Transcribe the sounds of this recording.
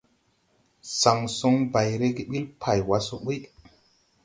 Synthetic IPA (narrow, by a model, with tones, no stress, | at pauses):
sa˨ŋso˦ŋba˨jɾe˦ɡe˦ɓi˦lpʰa˨jwa˦so˦ɓə˦